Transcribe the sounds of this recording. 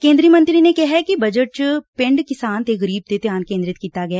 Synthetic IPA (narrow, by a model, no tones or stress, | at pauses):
kẽːnd̪ɾiəmə̃nt̪ɾinekɛɦɛkibəd͡ʒəʈ̚t͡ʃpɪ̃ɳɖkɪsaːnt̪eɣəɾiːb̚t̪et̪ɪjaːnkẽnd̪ɾɪt̪kiːt̪aɡɐjaː